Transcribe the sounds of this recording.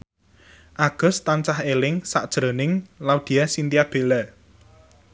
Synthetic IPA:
ʔaɡ̥ʊ̤st̪ant͡ʃahelɪŋsa̰ʔd̥ʒ̥ɾonɪŋlaud̪̥i̤jasint̪iab̥e̤la

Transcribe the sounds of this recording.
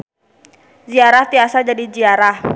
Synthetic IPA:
ziaɾaht̪iasad͡ʒadid͡ʒiaɾah

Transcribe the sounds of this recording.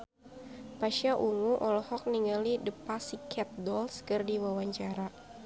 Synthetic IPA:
paʃaʔuŋuʔɔlɔhɔk̚niŋəlidəpasikʰɛt̪̚dɔlskɨrdiwawaɲt͡ʃaɾa

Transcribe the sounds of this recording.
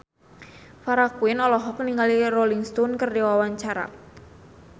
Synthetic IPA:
faɾakuɪnɔlɔɦɔk̚niŋalirolɪŋst̪ɔnkərdewawaɲt͡ʃaɾa̰

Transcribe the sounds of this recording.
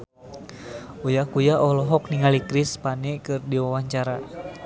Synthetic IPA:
ujakujaʔɔlɔɦɔkniŋalikɾispanikɨrdiwawaɲt͡ʃaɾa

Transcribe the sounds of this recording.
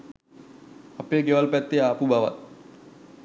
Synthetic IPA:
apekewalpɛt̪ːeapubawa̰t̪̚

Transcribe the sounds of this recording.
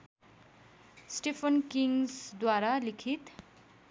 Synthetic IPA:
sʈepʰʌnkiŋsd̪waɾalikʰit̪

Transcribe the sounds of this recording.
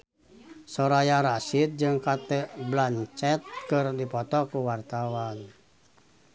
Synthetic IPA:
sɔɾajaɾasit̪̚d͡ʒɨŋkat̪ɛblant͡ʃɛt̪̚kɨrdipɔt̪ɔkuwart̪awan

